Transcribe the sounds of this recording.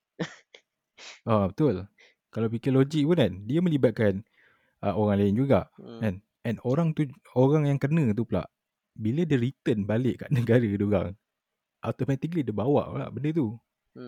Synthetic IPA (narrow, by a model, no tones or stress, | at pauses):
abət̪ʊl | kalawpikilod͡ʒik̚punandiamə̃libat̪̚kan | əoɾaŋlaɪnd͡ʒuɡa̰ʔɛn | ɛnoɾaŋt̪u | oɾaŋjaŋkənə̃t̪̬upla̰ʔ | bilədəɾit̪ənbalɪʔkaʔnəɡaɾəəduɡa̰ŋ | ʔat̪omɛt̪ik̬lidibawa̰ʔpla̰ʔbəndət̪u